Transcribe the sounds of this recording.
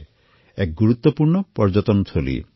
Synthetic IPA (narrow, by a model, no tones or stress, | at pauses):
ek̚ɡuɾut̪ːɔpuɾɳɔpɔɾd͡ʒɔt̪ɔnt̪ʰolḭ